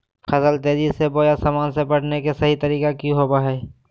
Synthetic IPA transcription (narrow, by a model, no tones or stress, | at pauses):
kʰɐsəlt̪eːd͡ʒisebojasaːmaːnsepɐɽnekesɐɦit̪ɐɾiːkakjũɦoːbaɦɛː